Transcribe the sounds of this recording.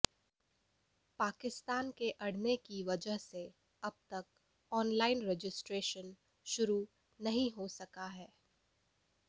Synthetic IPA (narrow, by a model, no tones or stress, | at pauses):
paːkɪst̪aːnkeʔɐɽ̤nekiʋɐd͡ʒəɦse | ɐb̚t̪ɐk̚ | ɔːnlaːɪnɾeːd͡ʒɪsʈɾeːʃən | ʃʊɾu | nɐɦĩɦosɐkaɦɛː